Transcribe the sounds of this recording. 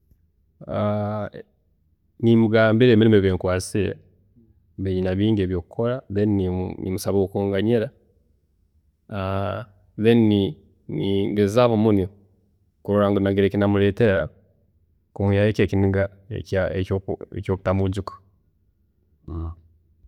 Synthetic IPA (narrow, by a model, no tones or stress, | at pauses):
a | nimuɡaːmbiɾeːmiɾimeβeŋkwaːt͡siɾḛ | βeɲinaβiːŋɡeβjo̞ːkukʰo̞ɾaðenininḭmusaβokoːŋɡaɲeɾa | a | ðenini | niŋɡezaβomuni | kuɾuɾaŋɡonaɡiɾekinamuleːteɾa | kumijajeːkeːkiniŋɡa | ḛkaeoecjoːku̥tamuɟiko̥